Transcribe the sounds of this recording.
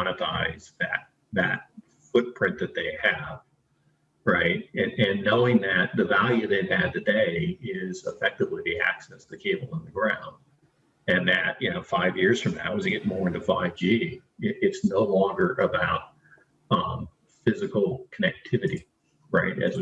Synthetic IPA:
ɑnɨtʰa̰ɪzðɨ̰t̪̚ | ðɨ̰t̚ | fʊt̚pʰɹ̥ɪ̃nðɨt̪̚ðeɪɨv̥ | ɹaɪt̚ɨ̃ɨ̃nːoʊɪ̃ŋðɨt̪̚ðɨvælˠjʉðeɪv̥ɨd̪̚tɨdeɪɪzəfɛk̚tɨvliðiæ̰ksɛstʰɨkʰeɪbl̩ˠə̃nðɨɡɹãʊ̃nd̥̚ | ɨ̃nðɨʔ̚jɨnoʊfaɪvjɪɹz̥fɹʌ̃mðɨ̰t̚wʌ̃zɨɡɛt̚mɔɹɨ̃ntɨfaɪvd͡ʒi | ɪɾɪtsnoʊlɔ̃ŋɡə˞ʔɨbaʊt̚ | ʌ̃ | fɪzɨkl̩ˠkʰənɛk̚tʰɪvɨɾḭ | ɹa̰ɪt̚ɨ̰z

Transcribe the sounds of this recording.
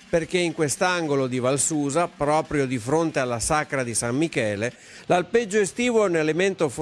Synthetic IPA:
perk̟eiŋkwest̪aŋɡolod̪ivalsuːzapɾɔːpɾjod̪ifɾont̪ealːasakɾad̪isamːikɛːle | lalped͡ʒːoest̪iːvoɛnelement̪of

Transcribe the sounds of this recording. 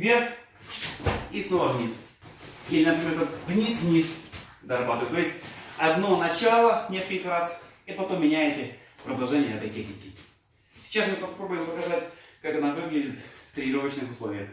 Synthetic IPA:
vʲerx | isnovəvnʲis | jelʲɪnɐpɾʲɪmʲeɾət̪ɡnʲisvnʲisd̪ɐɾɐbat̪əvʲjɪt̪ojɪsʲtʲɐd̪no̞nɐt͡ɕalˠənʲeskəlʲkəɾasipɐt̪omːʲɪnʲæjɪtʲɪ | pɾɐd̪ɐlˠʐɛnʲɪjəɛt̪əjtʲexnʲɪkʲɪ | sʲɪ̥t͡ɕasmɨpɐspɾobʊjɪmpɐkɐzat̚ʲkakɐnavɨɡlʲɪdʲɪt̪ft̪ɾʲɪɪɾovət͡ɕnɨxʊslˠovʲɪjəx

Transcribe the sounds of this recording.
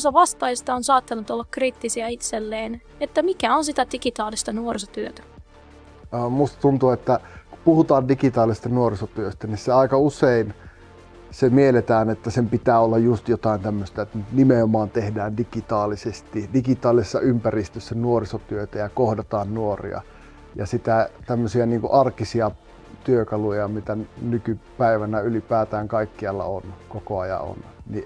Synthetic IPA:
sɑʋɑst̪ɑist̪ɑonsɑːt̪ːɑlːut̪olːɑkkriːt̪ːisiɑit̪selːeːn | et̪ːæmikæonsit̪æd̥ikit̪ɑːlist̪ɑnuoriso̥t̪yøt̪æ̥ | omust̪ɑ̥t̪unt̪uːet̪ːæku̥puhut̪ɑːndikit̪ɑːlisest̪ɑnuorisot̪yøst̪ænisseɑikɑusein | semielet̪æːnet̪ːæsempit̪æːolːɑjjust̪jot̪ɑˑint̪æmːøst̪æt̪ːnyt̪nimeomɑːnt̪ehdæːndikit̪ɑːlisest̪idikit̪ɑːlˑisesːɑympærist̪øsːænuorisot̪yøt̪æjɑkohdɑt̪ɑːnnuorḭɑ̰ | jɑsit̪æt̪æmːøsiɑniːŋkuʔɑrkisiɑ | t̪yøkɑlujɑmit̪ænykypæiʋænæylipæːt̪æːŋkɑikːiɑlːɑ̰onkokoɑjɑ̰o̰nni

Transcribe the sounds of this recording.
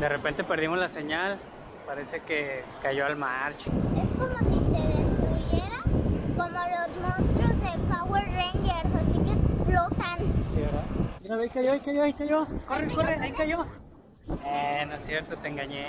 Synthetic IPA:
d̪erepe̞nt̪e̞pe̞ɾðimo̞zlase̞ɲal | paɾe̞se̞kekaʝoalmaɾt͡ʃoesko̞mosiseðest̪ɾuβjeɾakomolozmõnst̪ɾozðepaweɾreɲd͡ʒeɾsasikeblot̪ansiβeɾamiɾaβejkajoajkajoaikajo̞korekoreaikajo̞ | enosjeɾt̪ot̪eŋɡaɲe

